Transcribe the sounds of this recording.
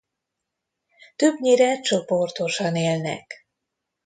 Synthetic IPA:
t̪øbɲiɾɛt͡ʃoport̪o̞ʃɒneːlnɛ̰k

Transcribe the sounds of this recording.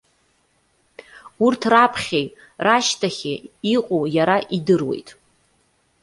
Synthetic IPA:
urtʰrapʰχʲejtʼ | raʃtʰaχʲɪiqʼojaɾaʔidɨrwe̞̰jtʼ

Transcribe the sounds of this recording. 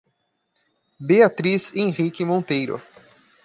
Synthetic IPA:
beat̪ɾizẽʁikɪmõnt̪ejɾʊ̰

